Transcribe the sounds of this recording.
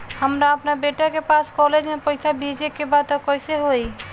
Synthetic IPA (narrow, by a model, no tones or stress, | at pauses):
həmɾaəpnabeʈakepaskɔled͡ʒmepəɪjsabʱid͡ʒekebad̪̚t̪ɔkɔjseɦoi